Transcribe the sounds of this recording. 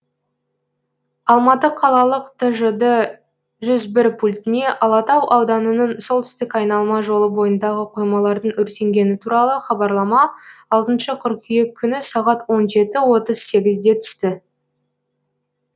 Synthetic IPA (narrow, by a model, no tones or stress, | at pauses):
ɑlˠmɑt̪əqʰɑlˠɑlˠəqt̪ʰəʒəd̪ə | ʒʏzbɪɾpʰulʲt̪ɪne̞ʔɑlˠɑt̪ɑwʔɑwd̪ɑnənəɴso̞lˠt̪ʰʏ̥st̪ɪkʲɑjnɑlˠmɑʒo̞lˠəbo̞jənd̪ɑʁəqʰojmɑlˠɑɾd̪əɴɵɾse̞ŋɡʲe̞nɪt̪ʰuɾɑlˠəχɑbɑɾlˠɑmɑɑlˠt̪ənʃəqʰʏɾkʲʰije̞kʲʰːʏnɪsɑʁɑt̪wo̞nʒe̞t̪ɪwo̞t̪əz̥se̞ɡʲɪzd̪e̞t̪ʰʏ̥st̪ɪ